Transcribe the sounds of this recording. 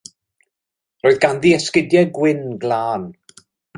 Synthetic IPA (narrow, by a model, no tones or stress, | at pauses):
roːɨðɡanðiɛskɪdjɛɡwɪnɡlaːn